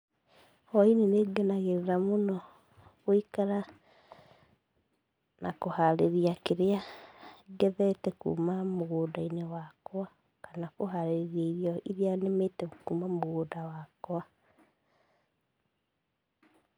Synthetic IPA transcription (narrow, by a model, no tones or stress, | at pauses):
ɔineneɡɛnaɣeɾeɾamonɔ | ɣoikaɾa | nakohaɾeɾijakeɾea | ɡɛðɛtɛkṵːmamoɣoːdainewakwa | kanakoɦaɾeɾiaiɾiɔiɾianemetɛkuːmamoɣoːdawakwa